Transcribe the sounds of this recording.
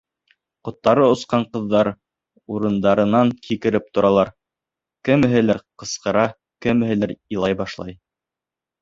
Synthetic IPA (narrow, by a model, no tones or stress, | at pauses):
qŏt̪ːɑɾɤŏsqɑɴqɤ̆ðːɑɾ | uɾɤ̆nd̪ɑɾɤ̆nɑŋkikɘ̆ɾɘp̚t̪ŏɾɑlˠɑɾ | kɘ̆mɘ̆ɦɘ̆læɾqɤ̆sqɤ̆ɾɑ | kɘ̆mɘ̆hɘ̆læɾĭlˠɑjbɑʃlˠɑ̰j